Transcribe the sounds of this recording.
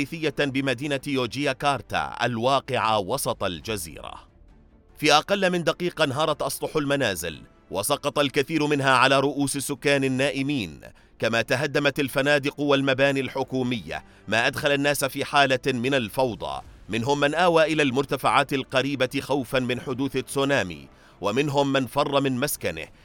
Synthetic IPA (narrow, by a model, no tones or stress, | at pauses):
iːθɪjːabɪmad̪iːnajoːd͡ʒɪjakɑːɾˤt̪a̰ʔa̰lwɑːqɪʕa̰wɑsˤɑt̪ˤɑld͡ʒazḭːɾa̰ | fiːʔɑqɑlːmɪnd̪aqiːqɑnaɦɑːɾˤɑt̪ʔɑsˤlʊħalmanaːzɪ̰l | wɑ̰sˤɑqɑt̪ˤɑlkaθiːɾʊmɪnɦaːʕalaːɾˤʊʔuːsɪsːʊkːaːnɪnːaːʔɪmiːn | kamaːt̪aɦad̪ːamat̪alfanaːd̪ɪqʊwalmabaːniːalħʊkuːmɪjːa̰ | maːʔad̪xalanːaːsfiːħaːlamɪnalfɑwd̪ˤɑ̰mɪnɦʊmːanʔaːwaːʔɪlaːlmʊɾt̪afaʕaːt̪alqɑɾiːbaxawfanmɪnħʊd̪uːθat͡ssːoːnaːmḭː | wamɪnɦʊmːanfɑrˤːɑmɪnmaskanɪ̰h